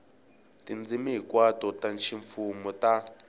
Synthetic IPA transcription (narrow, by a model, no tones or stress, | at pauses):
tind͡zimiɦikwatɔtanʃiɱfumɔta